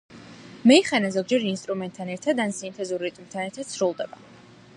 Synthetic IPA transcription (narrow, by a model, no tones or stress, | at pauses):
mɛiχɛnazɔɡd͡ʒɛɾinst̪ʼɾumɛnt̪ʼʰːanɛɾt̪ʰad̪ansint̪ʰɛzuɾit̪ʼmt̪ʰanɛɾt̪ʰad̪̥sɾulˠd̪ɛba